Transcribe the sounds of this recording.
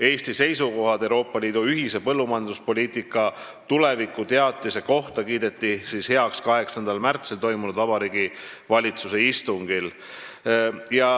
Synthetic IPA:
e̞ːst̪ise̞jsuko̞ɦɑd̪ewɾo̞ːpːˑɑliːd̪̥uyɦise̞pɤlːumɑjɑnd̪uspo̞lʲiːt̪ˑikːˑɑ | t̪ule̞vikːˑut̪e̞ɑt̪ːˑise̞ko̞ht̪ɑkiːd̪e̞t̪ːˑisiːshe̞ɑkskɑɦe̞ksɑnd̪̥ɑlmært̪silt̪o̞jmunud̪ɑbɑɾiːɡ̥i | vɑlʲit̪suse̞ist̪uŋɡ̥il | jɑ

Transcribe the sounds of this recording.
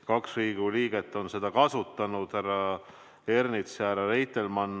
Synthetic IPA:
kɑksriːɡ̥uliːɡ̥e̞t̪ːˑo̞nse̞d̪̥ɑkɑsut̪ːˑɑnud̪̥æɾɑ | e̞rnit̪seæɾɑrejt̪ːˑelmɑnː

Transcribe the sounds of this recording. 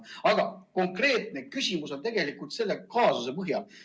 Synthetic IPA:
ɑɡ̥ɑko̞ŋkre̞ːt̪ˑnekysʲimuso̞nt̪e̞ɡ̥e̞likˑult̪se̞lːe̞kɑːsuse̞pɤɦjɑl

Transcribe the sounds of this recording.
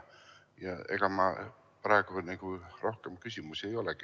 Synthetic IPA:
jɑe̞̰ɡ̥ɑmɑ | pɾɑeɡ̥uniɡ̥uro̞hkemkysʲimusie̞jo̞leki

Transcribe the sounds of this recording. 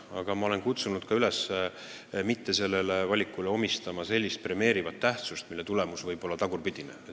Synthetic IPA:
ɑ̰ɡ̥ɑmɑo̞lenkut̪sunud̪̥kɑyles | mit̪ːe̞se̞lːe̞levɑlʲikːˑuleo̞mist̪ɑmɑse̞lʲːist̪̚pre̞me̞ːɾivɑt̪ːæht̪sust̪milːet̪ule̞musvɤjb̥o̞lːɑt̪ɑɡ̥urpid̪̥inḛe

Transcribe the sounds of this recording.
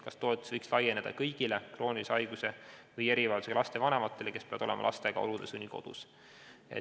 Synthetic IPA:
kɑst̪o̞et̪ːˑu̥svɤjkslɑjene̞d̪̥ɑ̰kɤjɡ̥ilekro̞ːnʲiisɑjɡ̥use̞vɤjeɾivɑːld̪use̥ɑlɑst̪e̞vɑne̞mɑt̪ˑːe̞le̞ke̞spe̞ɑd̪̥o̞lḛmɑlɑ̰st̪e̞ɡ̥ɑ̰o̞̰lud̪esunʲiko̞̰d̪̥ṵs | ḛ

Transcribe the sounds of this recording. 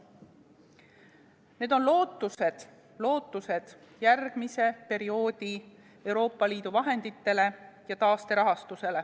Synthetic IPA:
ne̞ːd̪̥o̞nlo̞ːt̪ːˑuse̞d̪̥ | lo̞ːt̪ːˑuse̞d̪̥ | jærɡ̥mise̞pe̞ɾio̞ːd̪̥ʲi | e̞wɾo̞ːpːˑɑliːd̪uvɑɦe̞nd̪̥it̪ːe̞le̞jɑt̪ɑːst̪e̞ɾɑɦɑst̪use̞le̞

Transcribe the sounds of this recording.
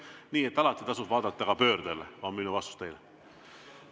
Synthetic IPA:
niːet̪ːˑɑlɑt̪ːˑit̪ɑsubvɑːd̪ɑt̪ːɑkɑpø̞ːrd̪elːevɑminuvɑst̪ust̪ejle

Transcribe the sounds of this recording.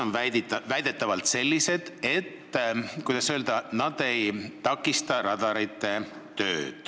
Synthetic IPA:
onvævæjd̪̥e̞t̪ːˑɑvɑlt̪se̞lʲːise̞d̪̥e̞t̪ːkujd̪ɑsøld̪ɑnɑd̪̥e̞jt̪ɑkːˑist̪ɑɾɑd̪̥ɑɾit̪ːˑe̞ | t̪ø̞ːd̪̥

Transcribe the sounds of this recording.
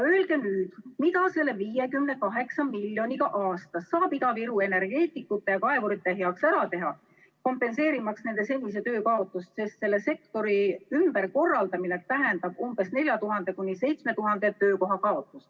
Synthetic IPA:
øelɡ̥e̞nyːd̪̥mit̪ɑse̞lːeviːje̞kymnekɑɦe̞ksɑmilʲjo̞nʲiɡ̥ɑʔɑːst̪ɑsːɑːbiɡ̪̥ɑviɾue̞ne̞rɡ̥e̞ːt̪ˑikːˑut̪ːˑejɑkɑevoɾit̪ːˑe̞ɦeɑksæɾɑt̪e̞ɦɑ | ko̞mpːˑe̞nse̞ːɾimɑksne̞nd̪e̞se̞nʲːise̞t̪ø̞ːkɑo̞t̪ːˑust̪se̞st̪se̞lːe̞se̞kt̪o̞ɾiymb̥erko̞rːɑld̪ɑminekt̪æɦe̞nd̪ɑb̥umb̥e̞sne̞lʲjɑt̪uɦɑnd̪̥e̞kunʲːise̞jt̪sme̞t̪uɦɑnd̪̥e̞t̪øːko̞ɦɑkɑo̞t̪ːˑust̪

